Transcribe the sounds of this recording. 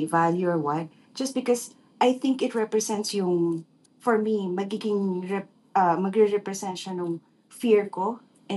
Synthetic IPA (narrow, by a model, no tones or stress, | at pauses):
valjuɔɹwɐt̪̚ | d͡ʒ̥ɐst̚bɪkɔs | ʔajθɪ̃ŋkɪt̪̚ɹɛpɹɛsɛ̃nt̪sjʊŋ | fɔɹmimɐɡiɡɪŋɹɛ | ʔɐmɐɡɾɛɹɛpɹɛsɛnt̪ʃɐnʊŋ | fiɹko | ʔɛ̃